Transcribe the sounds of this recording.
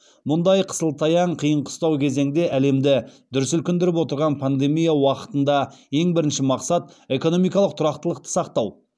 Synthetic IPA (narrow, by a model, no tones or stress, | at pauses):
mʊnd̪ɑjqʰə̥səlˠt̪ʰɑjɑɴqʰijəɴqʰʊ̥st̪ɑwkʲʰe̞ze̞ŋd̪e̞ʔæle̞md̪ɪd̪̥ʏɾɪsʏlkʲɪnd̪ɪɾɪp̬wo̞t̪əɾʁɑnpʰand̪e̞mijawɑqə̥t̪ənd̪ɑje̞ŋbɪɾɪnʃɪmɑqsɑt̪e̞ko̞no̞mijkɑlˠəq̚t̪ʰʊɾɑqt̪əlˠəq̚t̪ə̥sɑqt̪ɑw